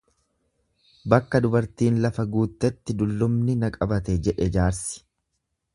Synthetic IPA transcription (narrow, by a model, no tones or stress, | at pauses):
bɐkːɐd̪ʊbɐɾt̪iːnlɐfɐɡuːt̪ːɛt̪ːɪd̪ʊlːʊmnɪnɐkʼɐbɐt̪ɛd͡ʒɛᶑɛd͡ʒaːɾsɪ̥